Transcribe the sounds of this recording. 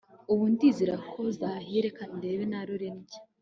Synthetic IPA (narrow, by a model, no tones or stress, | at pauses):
uβundiziɾakʰo̞zaɦeɾekande̞ːβenaɾuɾeniɟe̥